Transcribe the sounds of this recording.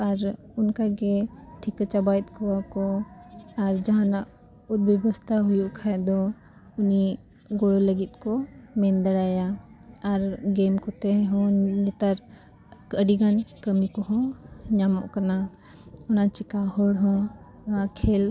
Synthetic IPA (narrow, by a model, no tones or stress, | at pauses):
ɐɾ | ʊnkaɡeʈ̪ʰikət͡ʃabajt̪̚kɔakɔ | ɐɾd͡ʒɐɦãnaʔ | ʊt̪̚bɛbəst̪ʰaɦujuʔkʰaɛd̪ɔ | ʊni | ɡoɽoləɡit̪̚kɔmẽnd̪əɽaːjaɐɾɡemkɔt̪ɛɦɔ̃nit̪aɾ | kəɽiɡankəmikɔɦɔ̃ɲamɔ̰ʔkɐna | ʊnat͡ʃɪkahɔɽɦɔ̃ | wãkʰel